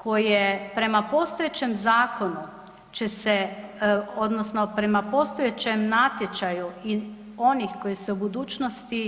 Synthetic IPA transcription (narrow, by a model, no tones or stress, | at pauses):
kʰojɛpɾɛmapoːst̪ojet͡ʃɛmzaːkonu | t͡ʃɛsɛ | od̪nɔsnɔpɾɛmapoːst̪ojet͡ʃɛmnat̪jɛt͡ʃajuin | oːnixkojisɛubud̪uːt͡ʃnost̪i